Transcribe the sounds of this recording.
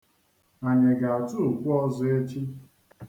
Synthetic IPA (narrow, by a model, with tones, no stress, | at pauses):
a˨ɲe˨ɡa˨a˨tu˦u˨kʷu˦ɔ˦zʊ˨e˦t͡ʃi˦